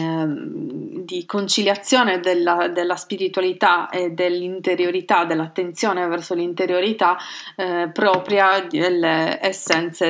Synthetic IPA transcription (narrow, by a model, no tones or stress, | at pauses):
d̪ikont͡ʃiljat̪sːjoːned̪elːad̪elːaspiɾit̪walit̪aed̪elːint̪eɾjoɾit̪ad̪ːelːat̪ːent̪sjoːnevɛrsolint̪eɾjoɾit̪a | pːɾɔːpɾjad̪elːeːsːɛnt̪se